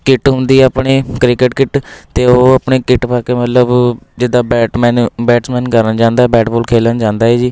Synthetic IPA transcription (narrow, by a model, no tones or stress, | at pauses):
kɪʈɦʊ̃nd̪iːɛəpɳeːkɾɪkɪʈkɪʈt̪eːoːəpɳeːkɪʈpaːkeːmət̪ləbd͡ʒɪd̪aːbɛːʈmɛːnbɛːʈsmɛ̃ːnkəɾənd͡ʒãːnd̪aːɛːbɛːʈboːlkʰeːlənd͡ʒãːnd̪aːɛːd͡ʒiː